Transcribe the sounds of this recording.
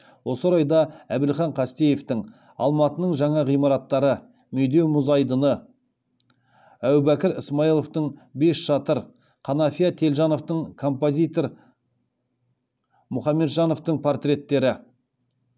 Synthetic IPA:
wo̞səɾɑjd̪ɑæbɪlχɑɴqʰɑst̪eje̞ft̪ɪŋ | ɑ̰lˠmɑt̪ənəɴʒɑɴɑʁijmɑɾɑt̪ːɑɾə | mʏjd̪e̞wmʊzɑjd̪ənə | æwbækʲɪɾɪsmɑilˠo̞ft̪əɴbe̞sʃɑt̪əɾ | qʰɑnɑfʲijat̪ʰe̞lʒɑno̞ft̪əɴkʰo̞mpozʲijt̪o̞ɾ | mʊχɑmːe̞d̪ʒɑno̞ft̪əɴpʰo̞rt̪rʲe̞t̪ːe̞ɾɪ

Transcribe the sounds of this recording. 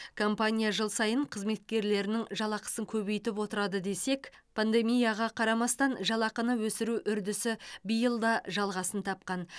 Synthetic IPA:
kʰo̞mpanʲijaʒəlˠsɑjəɴqʰəzme̞t̪̚kʲe̞ɾle̞ɾɪnɪŋʒɑlˠɑqə̥səŋkʲʰɵβe̞jt̪ɪpwo̞t̪əɾɑd̪əd̪e̞se̞kʲpʰand̪e̞mijaʁɑqʰɑɾɑmɑst̪ɑnʒɑlˠɑqənəwɵsɪɾuʔʏɾd̪ɪsɪbijəlˠd̪ɑʒɑlˠʁɑsənt̪ʰɑp̚qɑn

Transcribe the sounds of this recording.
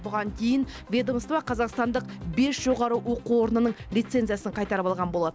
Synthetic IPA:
bʊʁɑŋk̪ʲʰe̞jɪn | vʲe̞d̪omst̪vɑqʰɑzɑqst̪ɑnd̪əqbe̞sʒ̥o̞ʁɑɾəwo̞quwo̞ɾnənəɴlʲijt̪se̞nzɨjasəɴqʰɑjt̪ɑɾəpɑlˠʁɑnbo̞lˠɑd̪ə

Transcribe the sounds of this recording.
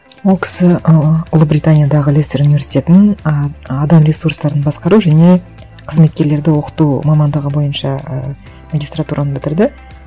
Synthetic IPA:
wo̞lˠkʲʰɪ̥sɪʊlˠəbɾʲijt̪anʲijad̪ɑʁəlest̪eɾunive̞ɾsi̥t̪ʲe̞t̪nn | ɑd̪ɑmɾʲe̞surst̪ɑɾənbɑsqɑɾuʒæne̞ | qʰəzme̞t̪̚kʲe̞ɾle̞ɾd̪ɪwo̞qə̥t̪umɑmɑnd̪əʁəbo̞jənʃɑ | maɡʲist̪rat̪uɾʔɑnəbɪt̪ɪɾd̪ɪ

